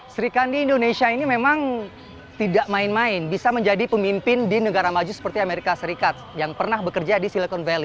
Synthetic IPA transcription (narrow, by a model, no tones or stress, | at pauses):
səɾikandiːndonesiainimemaŋ | t̪idaʔmaɪnmaɪnbisaməɲd͡ʒadipəmimpɪndinəɡaɾamad͡ʒusə̥pərt̪iameɾikasəɾikat̪̚jaŋpərnahbəkərd͡ʒadisiləkɔnvɛli